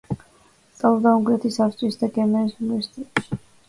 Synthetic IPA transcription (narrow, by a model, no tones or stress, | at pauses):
t̪sʼalˠɔd̪aũŋɡlɛt̪ʰisapɾt̪sʼwisd̪aɡɛmɛɾisunvɛɾsi̥t̪ʼɛt̪ʼʃi̥